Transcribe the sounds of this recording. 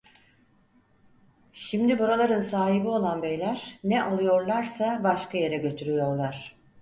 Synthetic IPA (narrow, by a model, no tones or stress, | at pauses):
ʃimd̪ibuɾalˠaɾɯnsaːɦibio̞lˠanbejlʲæɾ̥nɛʔalˠujo̞ɾlˠaɾsabaʃkʰaje̞ɾɛɟø̞t̪ʰyɾyjo̞ɾlˠaɾ̝̥